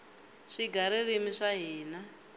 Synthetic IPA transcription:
ʂiɡʱaɾirimiʂaɦiːna

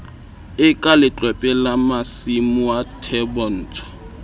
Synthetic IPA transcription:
ɪkʼalɪt͡ɬʼwɛpʼɛlamasimuatʰɛbɔn̩ːtʰɔ̥

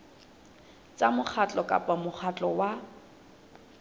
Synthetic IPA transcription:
t͡sʼamʊk͡xʰat͡ɬʼɔkʼa̰pʼamʊχʰat͡ɬʼɔwa

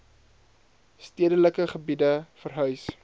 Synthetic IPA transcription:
stiədələkəχəbidəfərɦœɥs

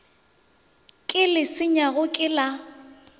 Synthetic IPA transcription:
kʼɪlɪsɪɲaɣʊkʼɪla

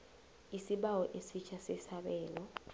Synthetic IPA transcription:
isiɓawɔʔesit͡ʃʰasɛsaɓɛːlɔ

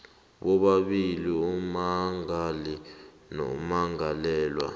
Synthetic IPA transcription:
ɓɔɓaɓiliumaŋali | nɔ̰maŋalɛːlwa̰

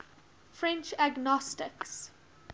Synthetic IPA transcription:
fɹɛ̃nt͡ʃaɡnɔstɪks

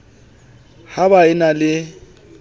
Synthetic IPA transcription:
haβaɪnalɪ

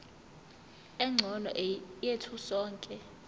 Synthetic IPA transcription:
ɛŋ͡ǀʱɔnɔ̰ʔjetʰusɔːŋkʼɛ

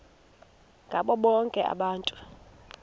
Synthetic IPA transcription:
ŋɡʱaɓɔɓɔŋkʼɛʔa̰ɓaːntʼu

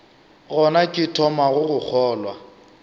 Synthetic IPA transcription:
ɣɔnakʼɪtʰɔmaɣʊɣʊk͡xʰɔːlwa

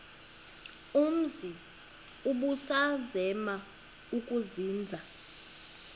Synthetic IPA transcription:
um̩zi | uɓusazɛma | ukʼuziːnd͡zʱa

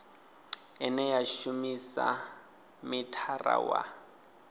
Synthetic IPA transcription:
ɛnɛjaʃumisa | mɪtʰara̰wa

